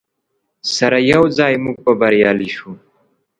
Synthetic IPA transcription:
sɐɾajɐwzɑːjmuɡ̚pɐbɐɾjɑːliʃu

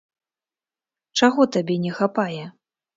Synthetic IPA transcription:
t͡ʂaɣɔt̪abʲɛnʲɛxapajɛ

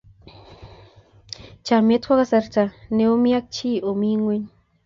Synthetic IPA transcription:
t͡ʃamet̪kʷaɣasaɾt͡ʃaneomiak̚t͡ʃiomiŋwin

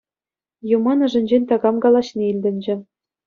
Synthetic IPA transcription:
jumɑnɤ̆ʐɘ̆nʲd͡ʑenʲt̪ɑɡɑmɡɑlˠɑɕnʲeilʲdʲɘ̆nʲd͡ʑɘ̆

